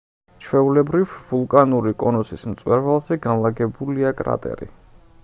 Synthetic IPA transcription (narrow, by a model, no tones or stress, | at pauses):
t͡ʃʰwɛulɛbɾivvulˠkʼanuɾikʼɔnɔsismt̪sʼwɛɾvalˠzɛɡanlˠaɡɛbuliakʼɾa̰t̪ʼɛ̰ɾḭ